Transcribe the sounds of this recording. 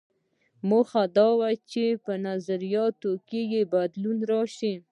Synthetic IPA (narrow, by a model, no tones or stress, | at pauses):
moxad̪ɑwat͡ʃepənazaɾijɑt̪okejebad̪lunɾɑʃi